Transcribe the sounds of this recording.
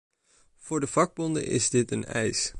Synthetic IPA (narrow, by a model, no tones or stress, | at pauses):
v̥ʊːɹdəv̥ɑɡ̚bɔndə̰ʔɪ̰zdɪtənɛ̰js